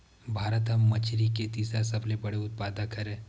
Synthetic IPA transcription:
bʱaːɾət̪ɦamɐt͡ʃʰɾiket̪iːsɾasɐblebɐɽeʊt̪̚paːd̪akɐɾẽː

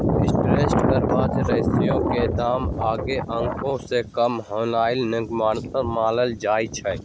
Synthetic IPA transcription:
ɪsʈɾeːsʈkəɾʋaːd͡ʒ̪ɾɐɦɪsijõked̪aːmaːɡeʔə̃ŋkʰõsekəmɦoːlaːɪlnɪɡmːəmaːləld͡ʒaːit͡ʃʰə

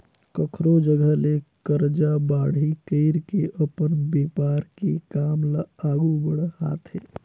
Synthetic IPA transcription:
kəkʰɾod͡ʒəɡəlekəɾd͡ʒabaɽ̤ikəɪɾkeʔəpənbeːpaɾkekaːmlaaɡubəɽha̰t̪ʰɦḛ

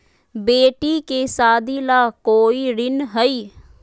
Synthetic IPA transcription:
beːʈiːkeːsaːd̪iːlaːkoːiːɾɪnɦəiː

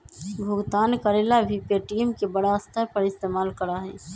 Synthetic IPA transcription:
bʱʊɡt̪aːnkəɾeːlabʱipeʈiːmkebəɽaəst̪ʰəɾpəɾɪst̪eːmaːlkəɾaɦɛ̰ː

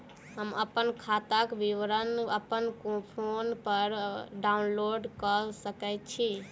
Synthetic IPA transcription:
ɦəməpənkʰat̪akʋiʋɾənəpənkõpʰonpəɾɖaunloɖkəsəkɛt͡ʃʰi

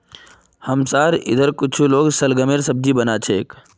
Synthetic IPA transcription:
həmsaːɾɪ̰d̪ʱəɾkʊt͡ʃʰuloːɡsɐlɡəmeɾsəb̚d̪ibənat͡ʃʰek

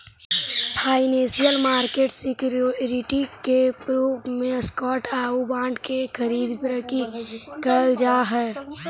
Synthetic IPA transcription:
pʰaːɪnẽːsijəlmaːɾkeːʈsɪkjɾɪʈikepɾuːbmẽskɔːʈaːubãːɳɖkekʰəɾiːd̪bɾəkikəld͡ʒaːɦɛː

